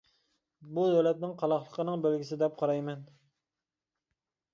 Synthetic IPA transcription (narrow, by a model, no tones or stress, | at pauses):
bud̪ɛlɛt̪̚nɪŋqʰɑlˠɑχlˠəqʰənɨŋbelɡʲisɪd̪ɛp̚qʰɑɾɑjmɛn